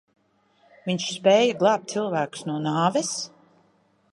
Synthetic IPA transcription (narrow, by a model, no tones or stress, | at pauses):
viɲʃspɛːjaɡlˠɑːp̚t̪silˠvæːku̥snuɔnaːvɛs